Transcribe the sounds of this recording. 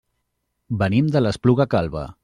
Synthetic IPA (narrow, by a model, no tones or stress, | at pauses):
bənimd̪ələspluɣəkalˠβə̰